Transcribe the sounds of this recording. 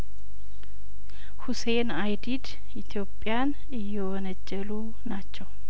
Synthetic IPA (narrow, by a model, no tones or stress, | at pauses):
huse̞najd̪id̪ | ʔit̪ʰjo̞pʼːjan | ɨjːɛwɔnəd͡ʒːɛlu | nat͡ʃːɛw